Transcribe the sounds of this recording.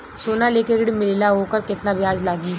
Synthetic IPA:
soːnaleːkeɾɪɽmɪleːlaɦoːkəɾkɪt̪nabɪjaːzlaːɡiː

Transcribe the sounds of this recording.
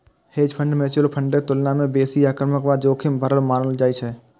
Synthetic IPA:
heːd͡ʒpʰə̃ɳɖmẽːt͡ʃʊlpʰə̃ɳɖet̪ʊlnamẽbeːsiaːkɾəməkʋaːd͡ʒoːkʰɪmbʱəɾəlmaːnəld͡ʒaːit͡ʃʰɛ

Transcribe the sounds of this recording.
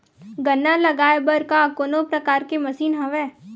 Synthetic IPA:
ɡɐnːalɐɡaːebɐɾkakoːnopɾɐkaːɾkemɐsiːnɦɐ̃ʋɛː

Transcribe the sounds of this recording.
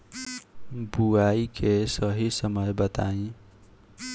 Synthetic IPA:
buaikesʌɦisəməjbət̪aĩ

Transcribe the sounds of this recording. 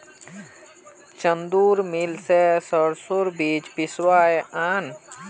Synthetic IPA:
t͡ʃənd̪uːɾmilsesəɾsʊɾbiːt͡ʃpɪswaːeʔaːn

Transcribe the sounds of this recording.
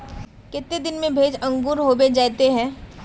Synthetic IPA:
kɪt̪ːed̪ɪnmẽbʱeːd͡ʒɐ̃ŋɡuːɾɦoːbeːd͡ʒaːt̪eɦɛ̃ː

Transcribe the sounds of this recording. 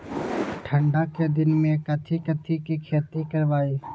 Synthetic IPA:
ʈʰə̃ɳɖaked̪ɪnmẽkət̪ʰikət̪ʰikikʰeːt̪ikəɾʋaːiː

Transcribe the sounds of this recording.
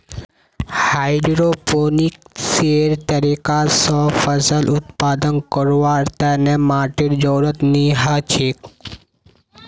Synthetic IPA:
haːɪɖɾoːpoːnik̚seɾt̪əɾiːkasɔfəsəlʔʊt̪̚paːd̪ənkəɾwaːɾt̪ɛnemaːʈiɾd͡ʒɔːɾət̪niɦət͡ʃʰik

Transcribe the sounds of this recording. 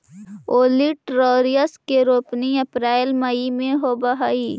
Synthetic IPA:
oːliʈɾoːɾijəskeɾoːpniəpɾaːɪlməimẽɦobɐɦaːiː

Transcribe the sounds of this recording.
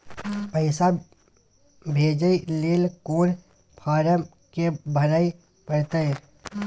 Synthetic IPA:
pəɪsa | bʱeːd͡ʒəileːlkoːɾ | pʰaːɾəm | kebʱəɾəi | pəɾt̪ẽ

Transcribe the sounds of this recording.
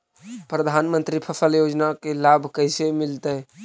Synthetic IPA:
pɾəd̪ʱanmənt̪ɾipʰəsəljod͡ʒnakelabʱkəɪsemilt̪əj

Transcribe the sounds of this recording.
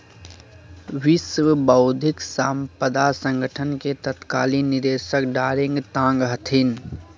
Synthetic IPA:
ʋiswbəʊd̪ʱɪksaːmpəd̪asə̃ŋɡəʈʰənket̪ət̪kaːlinɪd̪eːsəkɖaːɾĩŋɡt̪ãːŋɡɦət̪ʰin

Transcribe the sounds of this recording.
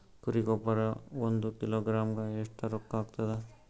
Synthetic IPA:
kuɾikɔpaɾaond̪ukiloɡɾamkaeʂʈʰaɾokːakt̪ad̪a

